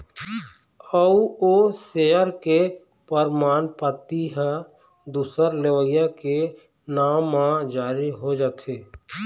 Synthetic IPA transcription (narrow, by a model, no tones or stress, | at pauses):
əuoseəɾke | pəɾmaːnpət̪iɦə̃ | d̪uːsəɾleʋəjjake | naːmːãd͡ʒaːɾiɦod͡ʒaːt̪ʰeː